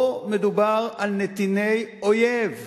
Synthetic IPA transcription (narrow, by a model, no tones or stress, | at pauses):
med̪ubaʁalnet̪inejojev